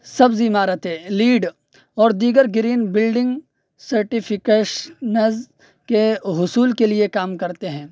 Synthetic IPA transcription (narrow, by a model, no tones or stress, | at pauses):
sɐbzimaːɾət̪ẽliːɖ | ɔːɾd̪iːɡəɾɡɪɾiːnbɪlɖɪ̃ŋɡ | sɐɾʈɪpʰɪkeːʃnɐz | keɦʊsuːlkeliekaːmkɐɾt̪eɦɛ̃ː